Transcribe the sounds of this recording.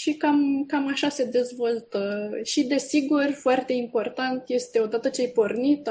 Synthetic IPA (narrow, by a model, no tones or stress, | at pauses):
ʃikamkamaʃase̞d̪e̞zvo̞lt̪əʃid̪e̞siɡurfoart̪e̞impo̞rt̪ant̪je̞st̪e̞o̞d̪at̪ət͡ʃejpo̞rnit̪